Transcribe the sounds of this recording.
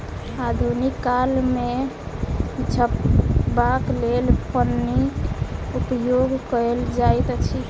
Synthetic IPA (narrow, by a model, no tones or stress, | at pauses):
ad̪ʱunikːalme | d͡ʒʱəpbaklelpənːikupjoɡkəld͡ʒajt̪t͡ʃʰi